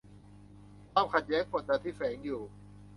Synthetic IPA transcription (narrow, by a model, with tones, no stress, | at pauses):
kʰwaː˧˩˨mkʰa˨˩t̪̚jɛː˦˥ŋpʰo˧˩nt̪aː˧t̪ʰiː˥˩fɛː˩˦ŋjuː˨˩